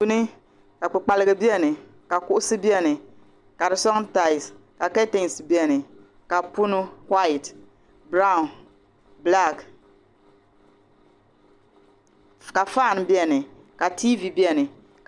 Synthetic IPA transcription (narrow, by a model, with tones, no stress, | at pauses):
u˦nɨ˦ | ka˨k͡pɨ˨k͡pa˨lɨ˦ɡɨ˨bi˦ɛ˦˨nɨ˨ | ka˨kʊ˦ʔʊ˦sɨ˦bi˦ɛ˦nɨ˨ | ka˨ɾɨ˨sɔ˦ŋ˦ta˨ɪ˨ska˨ka˦te˦ŋ˨sbi˦ɛ˨nɨ˨ | ka˨pu˦nʊ˦hwa˦i˨t | bɾa˦ʊ˨n | bla˦˨k | ka˨fa˦˨n˨bi˦ɛ˨nɨ˨ | ka˨ti˦vi˨bi˦ɛ˨nɨ˨ | k